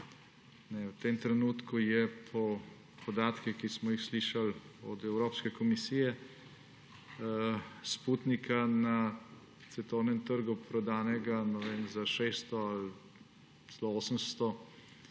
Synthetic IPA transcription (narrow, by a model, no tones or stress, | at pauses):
nɛwt̪emt̪ɾɛnuːt̪kujɛpʰɔ | pɔd̪aːt̪kixkismɔjixsliːʃalɔd̪ɛwɾoːpskɛkɔmisiːjɛ | spuːt̪nikana | t̪sɛt̪ɔwnɛmt̪əɾɡupɾɔd̪aːnɛɡanɛʋeːmzaʃest̪ɔal | lɔoːsəmst̪ɔ